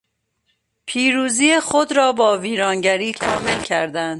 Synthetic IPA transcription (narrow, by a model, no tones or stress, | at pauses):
pʰiːɾuːziːjexod̪ɾɒːbɒːviːɾɒːnɟæɾiːt̪ʰɒ̰ːmelcʰæɾd̪ænd̪̥